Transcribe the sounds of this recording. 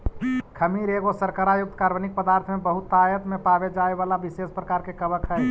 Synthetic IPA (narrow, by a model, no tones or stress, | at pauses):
kʰəmiɾeɡosəɾkaɾajʊk̚t̪kaːɾʋənik̚pəd̪aːɾt̪ʰmẽbəɦʊt̪ːajət̪mẽpabed͡ʒaːeʋaːlabiseːspɾəkaːɾkekəbəkɦɛ